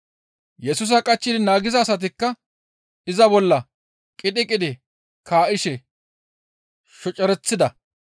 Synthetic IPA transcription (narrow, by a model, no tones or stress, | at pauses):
jɛsʊs̬ɐkʼɐt͡ʃːɪd̪ɪnaːɡɪzɐːsɐt̪̬ɪkːɐ | ʔɪzɐbɔlːɐ | kʼɪɗ̪ɪkʼɪd̪ɪ | kʰaːʔɪʃɛ | ʃɔt͡ʃʼɛɾɛt͡sːɪd̪ɐ